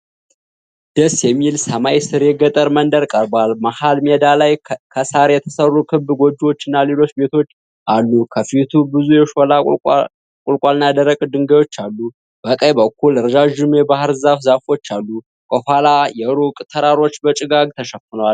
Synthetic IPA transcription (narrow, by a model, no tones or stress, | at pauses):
d̪̥əsjɛmːilsəmajsɨɾjɛɡət̪ʼəɾmənd̪əɾkʼəɾbalmahalmɛd̪alajkʰəsaɾjɛt̪ʰəsərːukʰɨbɡo̞d͡ʒːiwo̞t͡ʃːɪnːalelo̞t͡ʃːbe̞t̪ʰo̞t͡ʃː | ʔalːukʰəfit̪ʰubɨzujɛʃo̞la | kʼʊlkʼalnad̪əɾəkʼd̪ɨŋɡəjwo̞t͡ʃːalːu | b̥əkʼəjbəkːulɾəd͡ʒaʒɪnujɛbahɾzafzafo̞t͡ʃːalːu | kʼəhʷalajɛɾukʼt̪ʰəɾaɾo̞t͡ʃːbət͡ʃʼɪɡaɡ̚t̪ʰəʃəfɨnəwal